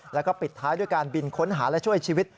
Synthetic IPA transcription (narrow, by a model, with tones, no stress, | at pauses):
lɛ˦˥wkɔː˥˩pi˨˩t̪ʰːaː˦˥jdu˥˩əjkaː˧nbi˧nkʰo˦˥nɦaː˩˦lɛ˦˥t͡ɕʰu˥˩əjt͡ɕʰiː˧wi˦˥t̪̚